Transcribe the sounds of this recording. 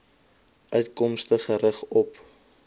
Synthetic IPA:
ʔœɥtkɔmstəχəɾəχɔp

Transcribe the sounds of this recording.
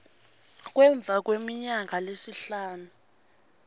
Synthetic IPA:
k̬wɛɱb̪vʱak̬wemiɲaŋʱalesiɬaːnu

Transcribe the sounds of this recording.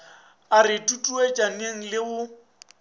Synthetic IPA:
arɪtʼutʼuet͡ʃʼaneŋ̩lɪʊ

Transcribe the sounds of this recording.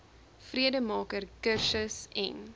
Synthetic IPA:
friədəmɑːkərkərsəsɛ̰n

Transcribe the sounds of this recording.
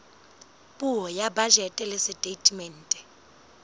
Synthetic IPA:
pʼuɦɔjabad͡ʒɛtʼɛlɪsɪtʼetʼimɛn̩ːtʼɛ̥

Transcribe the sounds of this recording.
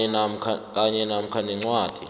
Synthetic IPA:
ɛnam̩kʰak̬ʼaɲɛnam̩kʰanɛŋ͡ǀwaːd̥ʱi

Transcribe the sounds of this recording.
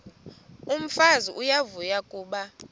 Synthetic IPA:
um̩faziʔujavujakʼuːɓa

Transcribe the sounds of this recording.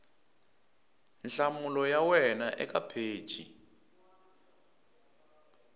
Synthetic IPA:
nɬamulɔjawɛnaʔɛk̬ʼapʰe̥ːt͡ʃʰḭ

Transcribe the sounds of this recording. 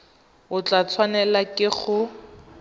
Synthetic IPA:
ʊt͡ɬat͡sʰwanɛlakʼɪχʊ

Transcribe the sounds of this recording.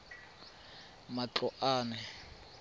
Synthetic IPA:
mat͡ɬɔʔaːnɛ

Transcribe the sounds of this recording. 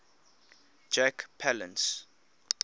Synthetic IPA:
d͡ʒakpʰalə̰̃ns

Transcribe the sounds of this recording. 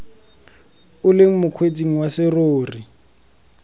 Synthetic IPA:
ʊleŋ̩mʊkʰwet͡sʼiŋ̩wasɪroːri

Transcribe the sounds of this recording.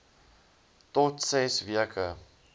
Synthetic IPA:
tɔtsɛsviəkʰə

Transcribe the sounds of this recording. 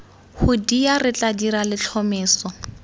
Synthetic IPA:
hʊdiarɪt͡ɬʼadiɾalɪt͡ɬʰɔmɪːsɔ

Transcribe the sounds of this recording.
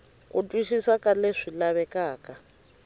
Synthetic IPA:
utʼwiʃisakʼaleʂilaβɛkʼaːkʼa

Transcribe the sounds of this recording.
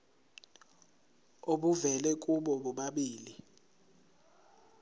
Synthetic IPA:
oɓuvɛlɛk̬ʼuɓɔɓɔɓaɓiːli

